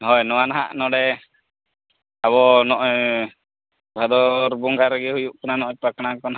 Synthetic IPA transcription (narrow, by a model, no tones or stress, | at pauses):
ɦɔjnɔwanaɦa̰ʔnɔɽɛ | aβɔnɔʔɔj | bʱad̪ɔɾbuŋɡaɾɡɛhujuʔkɔnanɔʔɔpakɽ̃akɔn